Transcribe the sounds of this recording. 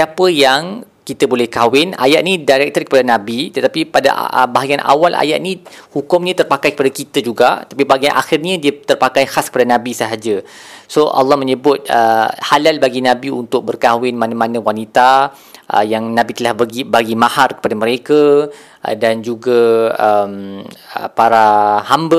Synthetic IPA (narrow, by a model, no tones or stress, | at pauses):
siapəjaŋ | kit̪əbolɛhkawɪna̰jaʔ̪̚nidaɾɛk̚t̪ərkəpadanãbit̪ət̪apipada̰baɦaɡianʔa̰walʔa̰ja̰ʔ̪̚nihukʊmɲãt̪ərpakajkəpadakit̪əd͡ʒuɡat̪apibaɡianʔa̰xɪrɲə̃diət̪ərpakajxaskə̥padanãbisəɦad͡ʒə | soʔa̰lːɑhmə̃ɲəbʊt̪̚əhalalbaɡinãbiunt̪ʊk̚bərkawɪnmãnãmãnãwanit̪a | ʔə̰jaŋnãbit̪əlahbaɡibaɡimaharkə̥padaməɾeka | dand͡ʒuɡaəməpaɾahambə